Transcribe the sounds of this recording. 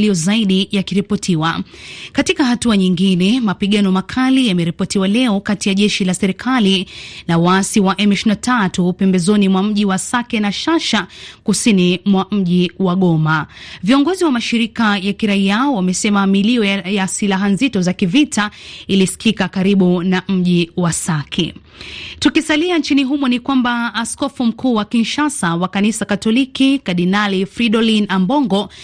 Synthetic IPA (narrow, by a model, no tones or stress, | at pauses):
lijɔzaiɗijakiɾipɔtʰiwakatikahatuaɲiŋɡinɛmapiɠanɔmakʰalijamɛɾipɔtiwalɛɔkatijaʄɛʃilasɛɾikʰalinawaasiwaʔɛmiʃinatʰatupɛmbɛzɔnimwam̩ʄiwasakɛnaʃaʃakusinimwam̩ʄiwaɠɔmaviɔŋɡɔziwamaʃiɾikajakiɾaiawamɛsɛmamiliɔjasilaɦanzitɔzakivitailisi̥kikakaɾiɓunam̩ʄiwasakʰḭ | tukisaliant͡ʃiniɦumunikwambaːskɔfum̩kuːwakinʃasawakanisakatɔlikikaɗinalifɾiɗɔlinambɔŋɡɔ